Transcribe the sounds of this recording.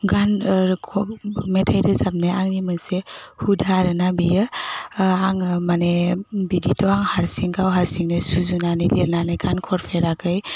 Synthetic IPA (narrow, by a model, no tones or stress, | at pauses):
ɡankʰɔmetʰajɾɯzap̚najaŋnimɯsehudʱaɾɯnabijɯ | aŋmanebiditʰɔaŋhaɾsiŋɡʰawɦaɾsiŋnesuzunanidiɾnanajɡʰankʰɔɾpʰeɾakʰɯj